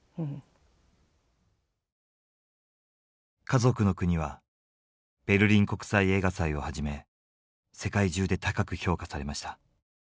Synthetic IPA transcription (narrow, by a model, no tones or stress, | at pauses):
kazo̞kɯ̟no̞kɯ̟ɲ̟iβa | b̥e̞ɾɯ̟ɾʲĩŋko̞kɯ̟̥saie̞ːɡasaio̞haʑime̞ | se̞kaiʑɨːd̪e̞t̪akakɯ̟ço̞ːkasaɾe̞maɕi̥t̪ḁ